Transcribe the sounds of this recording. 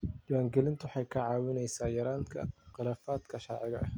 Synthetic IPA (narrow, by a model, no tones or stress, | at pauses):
d͡ʒɐwaːŋɡɛlɪnt̪ʰʊwħɑjkʰɐʕɑːwɪnɛjsaːjɐɾaːnkʰɐ̰qɪlaːfaːd̪kʰɐʃɐrʕɪɣɐʔɐ̰